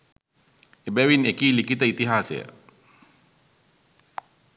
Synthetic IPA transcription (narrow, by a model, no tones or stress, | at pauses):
ebɛwinekilikit̪ait̪iɦasḛ